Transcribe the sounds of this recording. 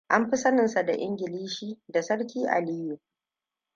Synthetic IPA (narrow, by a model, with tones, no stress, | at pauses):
ʔa˦mɸi˦sɐ˦nɪ˨nsa˨da˨ʔɪ˦ŋɡʲɪ˨liː˦ʃiː˦da˨sɐ˦ɽk̬ʲiː˦ʔa̰˨liː˦ju˨